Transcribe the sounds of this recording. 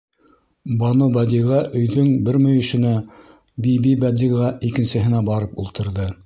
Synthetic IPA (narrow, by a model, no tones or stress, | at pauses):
bɑnobæd̪ʲiʁɑʔɵ̆jðɵŋbɘɾmɵ̆jɵ̆ʃɘ̆næ | bibibæd̪iʁɑʔikɘ̆nsɘ̆ɦɘ̆næbɑɾɤpulˠt̪ɤ̆ɾðɤ